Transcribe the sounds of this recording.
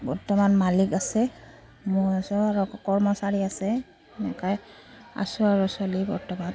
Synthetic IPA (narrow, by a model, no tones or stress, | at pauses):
bɔɹtɔmanmalikasɛ | mʊasɔaɹɔkɔɹmɔsaɹiasɛ | nɛ̰kaj | a̰sʊaɹusɔlibɔ̰ɹtɔman